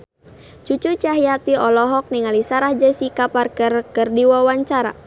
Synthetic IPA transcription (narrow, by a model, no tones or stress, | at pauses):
t͡ʃut͡ʃut͡ʃaɦijat̪iɔlɔɦɔk̚niŋalisaɾahd͡ʒəsikaparkərkɨrdiwawaɲt͡ʃaɾa̰